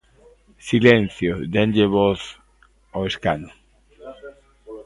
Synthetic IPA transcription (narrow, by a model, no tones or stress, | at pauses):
silẽn̟θjod̪endeβoθ | oeskano